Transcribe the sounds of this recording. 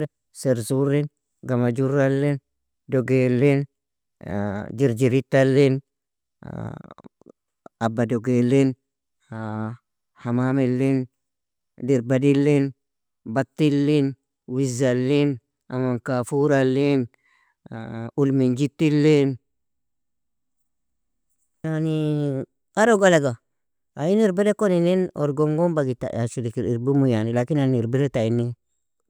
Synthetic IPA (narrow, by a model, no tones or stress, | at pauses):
seɾzuɾin | ɡamad͡ʒuɾalːin | doɡelːin | d͡ʒiɾd͡ʒiɾit̪ːalːin | abadoɡelːin | hamamilːin | diɾbadilːin | bat̪ːilːin | wizalːin | amankafuɾalːin | ulmind͡ʒitːilːin | jani | aɾoɡalaɡa | ajiniɾbedekoninino̰ɾɡoŋɡombaɡita̰asudikiɾiɾbumujanilakinaniɾbedetainːi